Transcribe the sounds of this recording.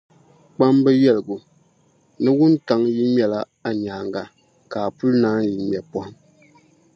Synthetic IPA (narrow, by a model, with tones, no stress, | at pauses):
k͡pa˦mbɛ˦jɛ˦˨lɨ˨ɡu˨ | nɨ˦wu˦nta˨ŋji˦m˦ɛ˨la˦ | a˨ɲaː˨ŋɡa˨ | kaː˨pu˦lnaː˦ji˨m˨ɛ˨pɔ˦hʊ˦m